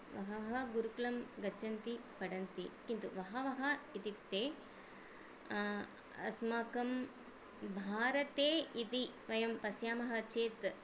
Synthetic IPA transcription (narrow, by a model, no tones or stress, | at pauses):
ʋɐɦɐʋɐɦɐɡuɾukulɐmɡɐt͡ʃɐnt̪ipɐɖɐnt̪ikint̪uʋɐɦɐʋɐɦɐit̪ip̚t̪eː | ɐsmaːkɐm | bʱaːɾɐt̪eːit̪iʋɐjɐmpɐsjaːmɐɦɐt͡ʃeːt̪